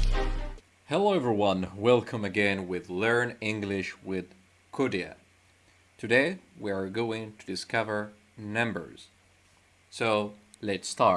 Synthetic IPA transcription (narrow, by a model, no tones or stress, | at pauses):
hɛloʊɛvə˞wʌ̃nwɛlˠkʰə̃mɨɡɛ̃nwɪðlɜ̃˞nɪ̃ŋɡlɪʃwɪð̥ | kʰʊɾiɨ̰ | tʰɨdeɪwiə˞ɡoʊɪ̃ŋtʰɨdɨskʰʌvə˞ | nʌ̃mbə̰˞z̥ | soʊletstɑ